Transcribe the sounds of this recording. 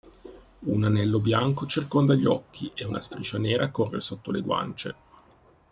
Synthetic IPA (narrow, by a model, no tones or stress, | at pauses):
unanɛlːobjaŋkot͡ʃerkond̪aʎːɔkʰːiʔeunʔa̰st̪ɾit͡ʃaneːɾʔakorːḛsot̪ːoleɡwa̰nt͡ʃḛ